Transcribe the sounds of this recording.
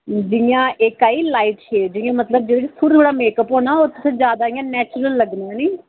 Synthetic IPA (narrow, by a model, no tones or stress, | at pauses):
d͡ʒɪjãːʔɪkaːiːlaːiːʈʃeːd͡ʒɪjãːmət̪ləb̚d͡ʒeːɽeːisʰʊɾt̪ʰoːɽaːmeːkəpoːnaːoːt̪ʊsãːd͡ʒjaːd̪aːɪjãːnɛːt͡ʃɾəlːəɡnaniː